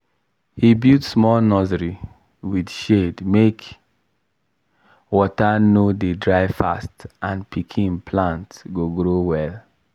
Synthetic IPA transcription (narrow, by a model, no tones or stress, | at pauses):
hibutsmɔlnɔzɹi | widʃedmek | wɔtanodedɹaɪfastʔãnpʰikʰĩnpʰlãntɡoɡɾowɛl